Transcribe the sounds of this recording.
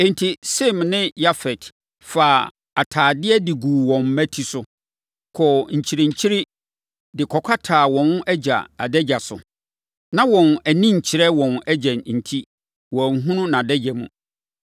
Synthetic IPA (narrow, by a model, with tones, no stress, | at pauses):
ɛ˨n˨tʰi˨sɛ˦mnɪ̃˦ja˦fɛ˨t | faː˨ | a˨tʰaː˨dɪ˦ɛ˦dɪ˨ɡuː˨wɔ̃˨m˦mæ˦tʰi˨sʊ˦ | kʰɔ˨ɲ̩˨t͡ɕʰi˨ɾɛ̃˨ɲ̩˨t͡ɕʰi˦ɾi˦ | dɪ˨kʰɔ˨kʷʰa˦tʰaː˨wɔ̃˨n˦ʔɛ˦d͡ʑa̰˨a˨dɛ˦d͡ʑa˨sʊ̰˨ | nã˦wɔ̃˨næ˨nĩ˦ɲ̩˨t͡ɕʰɪ˨ɾɛ˦wɔ̃˨nɛ˦d͡ʑɛ̃˨nn̩˨tʰi˦ | wɔ̃˨ŋ˦ɦũ˦nʊ̃˦nã˨dɛ˦d͡ʑɛ˨mṵ̃˨